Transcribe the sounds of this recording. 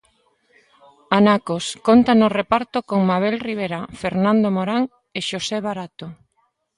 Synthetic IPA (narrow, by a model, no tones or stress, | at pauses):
anakoskont̪anorepaɾt̪okoŋmaβelriβ̞eɾafeɾnãnd̪omoɾaŋ | eʃoseβaɾat̪o